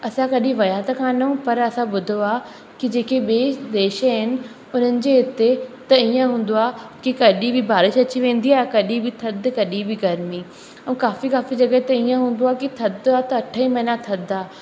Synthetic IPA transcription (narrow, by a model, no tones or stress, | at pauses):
ɐsãkɐɗĩʋɐjaːt̪ɐkʰãːnɐũpɐɾɐsãɓʊd̪ʱoaː | kid͡ʑeːkeɓeːd̪eːʃəɦɪnɪ̆ | ʊn̤ənɪ̆d͡ʑeːɦɪt̪et̪ɐiːə̃ɦũːn̆d̪oaːkikɐɗibɪbʱaːɾɪʃɐt͡ɕiʋẽːn̆d̪iaːɦkɐɗĩbʱɪt̪ʰɐd̪kɐɗibʱɪɡɐɾmi | ɐ̃kaːfikaːfid͡ʑɐɡət̪ɐiːə̃ɦũːnd̪oaːkit̪ʰɐd̪aːt̪ɐɐʈʰəĩmɐɦɪnãt̪ʰɐd̪aː